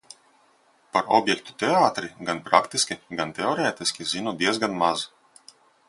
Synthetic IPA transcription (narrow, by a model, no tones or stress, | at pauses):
paɾɔ̰bʲjɛkt̪u̥t̪ʲeaːt̪ɾiɡanpɾakt̪isʲkʲiɡant̪ʲeɔɾɛːt̪iskʲizinud̪iɛzɡanmaz